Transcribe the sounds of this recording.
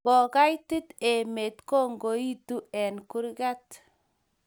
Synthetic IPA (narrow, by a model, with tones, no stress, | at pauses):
bɔ˨ka˦jtɪ˦te˨me˨tko˦˨ŋɡo˨i˦tu˦ɛ˨nku˦ɾɡa˦t